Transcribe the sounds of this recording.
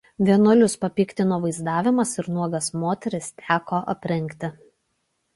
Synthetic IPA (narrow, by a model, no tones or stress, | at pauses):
ʋʲiɛnʊlʲʊspɐpʲiːkt̪ʲɪnoːʋɐɪzd̪ɑːʋʲɪmɐsɪɾnuɔɡɐsmoːt̪ʲɛɾʲɪst̪ʲʰæːkoːʔɐ̰pʲɾʲɪŋʲˑkt̪ʲɪ